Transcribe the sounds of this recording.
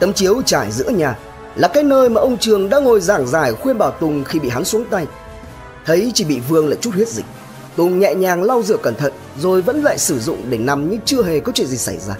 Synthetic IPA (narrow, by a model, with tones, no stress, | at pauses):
t̪ə˨˦mt͡ɕi˨˦əwt͡ɕaː˧˩jzɨ̰˧˥əɲaː˨˩ | laː˨˩kaː˨˦jnəː˧jmaː˨˩ʔə˧wŋ͡mt͡ɕɨ˨˩əŋɗa̰ː˧˥ŋo˨˩jzaː˧˩ŋzaː˧˩jxwi˧ənɓaː˧˩wt̪ʊ˨˩ŋ͡mxi˧ɓḭ˧˨ɦa˨˦nsu˨˦əŋt̪a˧j | t̪ʰə˨˦jt͡ɕi˧˩ɓḭ˧˨vɨ˧əŋlaː˧˨jt͡ɕu˦˥t̚hwət̚zï˨˩k̟̚ | t̪ʊ˨˩ŋ͡mɲɛ̰˧˨ɲaː˨˩ŋla˧wzɨ̰˧˩əkə˧˩nt̪ʰə̰˧˨n | zo˨˩jvə̰˧˥nla̰ː˧˨jsɨ˧˩zʊ̰˧˨ŋ͡mɗe˧˩na˨˩mɲɨ̰˧˥ŋt͡ɕɨ˧əɦe˨˩kɔ˨˦t͡ɕwḭ˧˨nzi˨˩sa˧˩jzaː˧